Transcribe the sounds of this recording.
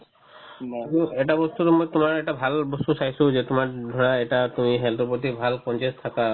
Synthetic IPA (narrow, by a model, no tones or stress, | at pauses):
mueʈabɔst̪ut̪ɔmɔjt̪umaɾeʈabʱalbɔst̪usajsud͡ʒet̪umaɾd̪ʱɔɽaeʈat̪umiɦeld̪ɾɔpɔt̪̬ibʱalkɔnt͡ʃest̪ʰaka